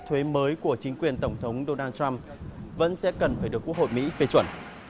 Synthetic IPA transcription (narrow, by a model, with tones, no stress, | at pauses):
t̪ʰwe˨˦məː˨˦jku˧˩ət͡ɕï˨˦ŋ̟kwi˨˩ənt̪ə˧˩wŋ͡mt̪ʰə˨˦wŋ͡mɗo˧naː˧nt͡ɕa˧m | və̰˧˥nsɛ̰˧˥kə˨˩nfaː˧˩jɗɨ˨˩əkːu˦˥ək̚hʰo̰˧˨jmḭ˧˥fe˧t͡ɕwə˧˩n